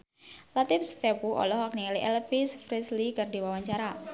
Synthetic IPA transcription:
lat̪ɪfst̪ɛpuʔɔ̰lɔhwak̚niŋaliʔɛlfisfɾislikardi̤wawaɲt͡ʃaɾa

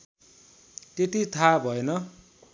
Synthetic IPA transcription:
t̪et̪it̪ʰabʱʌenʌ

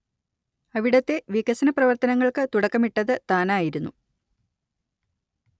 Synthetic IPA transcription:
ɐʋiɽɐt̪ːe̞ʋikːɐsɐnɐprɐʋɐrt̪ɐnɐŋːɐɭkɨt̪uɽɐkːɐmiʈːɐðɨt̪aːnaːjiɾunːu

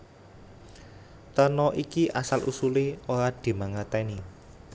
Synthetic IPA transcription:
t̪ənɔʔikiʔasalʔṵsuleoɾad̪̥i̤maŋət̪ɛni

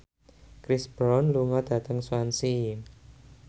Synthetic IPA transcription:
kɾisb̥ɾɔnluŋɔd̪̥ä̤t̪əŋswansi

